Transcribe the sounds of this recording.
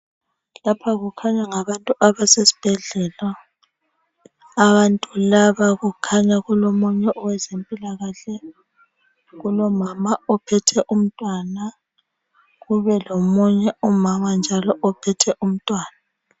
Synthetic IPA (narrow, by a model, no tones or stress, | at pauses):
lapʰaɣukʰaɲaŋaβantʼuʔaβasesi̥b̥ʱɛɮɛla | βantʼulaβaɣukʰaɲaɣulomuɲɛʔɔwɛzempʼilaɣaɬɛ | ɣulɔmamaɔpʰɛtʰɛʔum̩tʼwana | ɣuβɛlomuɲɛɔmamand͡ʒʱalɔʔɔpʰɛtʰɛʔum̩tʼwaːna